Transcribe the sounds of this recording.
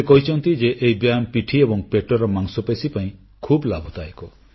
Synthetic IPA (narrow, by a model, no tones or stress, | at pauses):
ekɔɦit͡ʃʰɔnt̪id͡ʒeʔeibjampiʈʰiebɔŋpeʈɔɾɔmaŋsɔpesipaĩ | kʰublabʱut̪aekɔ